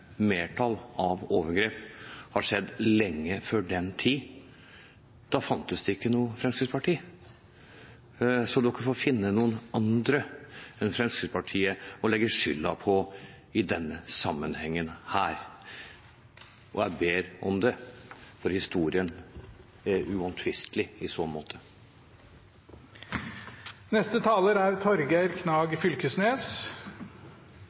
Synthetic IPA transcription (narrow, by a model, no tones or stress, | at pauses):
meːʈʰɑlɑʋoːʋəɾɡɾeːphɑɾʂɛd̪ːlɛŋːəføɖɛnt̪ʰiː | d̪̥ɑfɑnt̪əsd̪ɛɪkːənuːəfɾɛmskɾɪd̪spʰɑʈʰiː | sɔd̪ʉkːəfoːfɪnːənuːənɑnd̪ɾəɛnfɾɛmskɾɪd̪pʰɑʈʰiːəɔlɛɡːəʂʏlːɑpʰɔ | ɪd̪ɛnːəsɑmːənhɛŋːənhæːɾ | ʔɔjæbeːɾɔmd̪ɛfɔɾhɪst̪uːɾɪən | æɾʉɔnt̪ʰʋɪst̪ʰlɪɪsɔnmoːt̪ʰə | nɛst̪ət̪ʰɑːləɾæɾt̪ʰɔɾɡæɪɾkʰnɑːɡfʏlkəsneːs